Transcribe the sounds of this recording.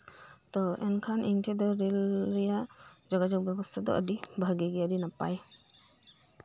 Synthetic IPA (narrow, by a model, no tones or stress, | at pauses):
t̪ɔɛnkʰanʔintʰedɔɾɛlɾɛja | d͡ʒɔɡad͡ʒɔk̚bɛbɔst̪ʰad̪ɔ̰ʔə̰dibʱaɡiɡijadinapa̰j